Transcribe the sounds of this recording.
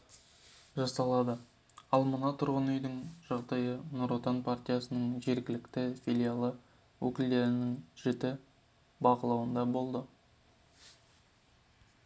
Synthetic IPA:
ʒɑsɑlˠɑd̪ə | ɑlˠmənɑt̪ʰʊɾʁənʏjd̪ɪŋʒɑʁd̪ɑjənoɾot̪ɑnpʰart̪ʲijasənəɴʒe̞ɾɡʲɪlɪkt̪ɪfʲilʲijalˠə | wʔɵkʲɪld̪e̞ɾɪnɪŋʒ̥ɪt̪ɪ | bɑqəlˠɑwənd̪ɑbo̞lˠd̪ə

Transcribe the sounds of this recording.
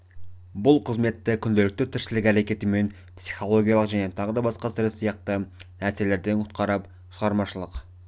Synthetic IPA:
bʊlˠqʰəzme̞t̪ːɪkʲʰʏnd̪elɪk̚t̪ɪt̪ʰɪɾʃɪlɪkʲæɾe̞kʲe̞t̪ɪme̞n | psiχo̞lˠo̞ɡʲijɑlˠəqʒæne̞t̪ʰɑʁəd̪ɑbɑsqɑsɪɾɪssijɑq̚t̪ənæɾse̞le̞ɾd̪e̞nkʰʊ̥t̪̚qɑɾɑp | ʃəʁɑɾmɑʃəlˠəq

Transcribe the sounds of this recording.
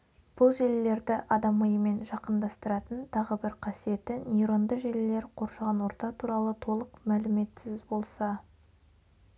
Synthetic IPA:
b̥ʊlˠʒelle̞ɾd̪ɪʔɑd̪ɑməjəme̞nʒɑqənd̪ɑst̪əɾɑt̪ənt̪ʰɑʁəbɪɾqʰɑsije̞t̪ɪnijɾənd̪əʒelɪle̞ɾqʰo̞ɾʃɑʁɑnwo̞ɾt̪ɑt̪ʰuɾɑlˠət̪ʰo̞lˠəqmælɪme̞t̪sɪzbo̞lˠsɑ

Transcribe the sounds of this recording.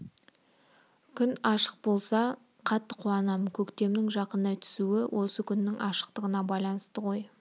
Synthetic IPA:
kʲʰʏnɑʃə̥q̚bo̞lˠsɑ | qʰɑt̪ːəqʰʊɑnɑmkʲʰɵkt̪e̞mnɪŋʒɑqənːɑt̪ʰʏ̥suɪwʔo̞səkʲʰʏnːɪŋʔɑʃə̥qt̪əʁənɑbɑjlˠɑnəst̪əqo̞j

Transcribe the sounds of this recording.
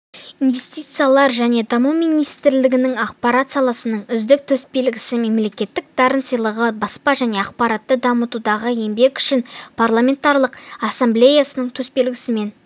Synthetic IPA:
inve̞st̪ijt̪sɨjalˠɑɾʒæne̞d̪ɑmuwmijnijst̪ɪɾlɪɡʲɪnɪŋɑqpaɾat̪sɑlˠɑsənəɴʏzd̪ɪk̚t̪ʰɵsbe̞lɡʲɪsɪme̞mle̞kʲe̞t̪ːɪk̚d̪ɑɾənsəjlˠəʁəbɑspɑʒæne̞ɑqpɑɾat̪ːəd̪ɑmət̪ud̪ɑʁəe̞mbe̞kʏ̥ʃɪnpʰarlˠamʲe̞nt̪ɑɾlˠəqɑsamble̞jasənəɴt̪ʰɵspe̞lɡʲɪsɪme̞n

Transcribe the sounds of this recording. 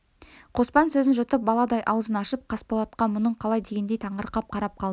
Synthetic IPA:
qʰo̞spɑnsɵzɪnʒʊt̪əp̚bɑlˠɑd̪ɑjʔɑwəzənɑʃəp̚qʰɑspolˠɑt̪qɑnmʊnəɴqʰɑlˠɑjd̪e̞ɡʲe̞nd̪e̞jt̪ʰɑɴəɾqɑp̚qʰɑɾɑp̚qʰɑlˠd̪ə

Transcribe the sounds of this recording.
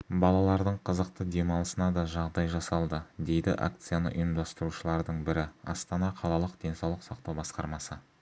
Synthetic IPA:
bɑlˠɑlˠɑɾd̪əɴqʰəzəqt̪əd̪e̞mɑlˠəsənɑd̪ɑʒɑʁd̪ɑjʒɑsɑlˠd̪əd̪e̞jd̪ɪ̰ʔa̰kt̪sɨjanə̰ʔʊ̰jəmd̪ɑst̪əɾuʃəlˠɑɾd̪əɴbɪɾɪɑ̰st̪ɑnɑqʰɑlˠɑlˠəqd̪̥e̞nsɑwlˠəqsɑq̚t̪ɑwbɑsqɑɾmɑsə

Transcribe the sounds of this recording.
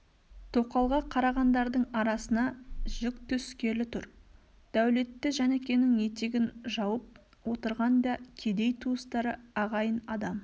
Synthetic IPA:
t̪ʰoqɑlˠʁɑqʰɑɾɑʁɑnd̪ɑɾd̪əɴɑɾɑsənɑʒʏkt̪ʰʏskʲe̞ɾlɪt̪ʰʊɾ | d̪̥æwle̞t̪ːɪʒænekʲe̞nɪŋje̞t̪eɡʲɪnʒɑwəp̚ | wo̞t̪əɾʁɑnd̪ɑkʲʰe̞d̪e̞jt̪ʰuəst̪ɑɾəɑʁɑjənɑd̪ɑm

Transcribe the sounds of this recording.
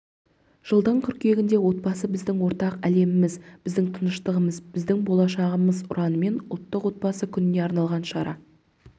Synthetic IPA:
ʒ̥əlˠd̪əɴkʰʲʏɾkʲe̞ɡʲɪnd̪e̞wo̞t̪̚bɑsəbɪzd̪ɪŋwo̞ɾt̪ɑqæle̞mɪmɪzb̥ɪzd̪ɪŋt̪ʰənəʃt̪əʁəməzbɪzd̪ɪŋbo̞lˠɑʃɑʁəməzʊ̰ɾʔɑnəme̞nʊlˠt̪ːəqwo̞t̪̚bɑsəkʲʰʏnɪne̞ɑɾnɑlˠʁɑnʃɑɾɑ̰

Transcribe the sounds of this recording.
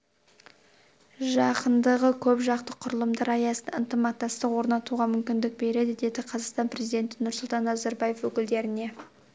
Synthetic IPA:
ʒɑqənd̪əʁəkʲʰɵpʒɑqt̪əqʰʊɾəlˠəmd̪ɑɾɑjɑsəənt̪əmɑqt̪ːɑst̪əqwo̞ɾnɑt̪uʁɑmʏmkʲɪnd̪ɪk̚be̞ɾe̞d̪ɪd̪e̞d̪ɪqʰɑzɑqst̪ɑnpɾe̞zijd̪ʲe̞nt̪ɪnʊɾsʊlˠt̪ɑnæzɑɾbɑje̞fwɵkʲɪld̪e̞ɾɪne̞

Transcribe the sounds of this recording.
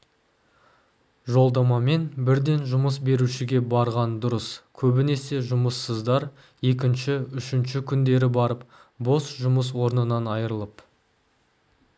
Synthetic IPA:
ʒo̞lˠd̪ɑmɑme̞nbɪɾd̪e̞nʒʊməsbe̞ɾuʃɪɡʲe̞bɑɾʁɑnd̪ʊɾəskʲʰɵbɪne̞se̞ʒʊməsːəzd̪ɑɾ | e̞kʲɪnʃɪʏʃɪnʃɪkʲʰʏnd̪e̞ɾɪbɑɾəp̚ | bo̞sʒʊməs̬wo̞ɾnənɑnɑjəɾəlˠəp

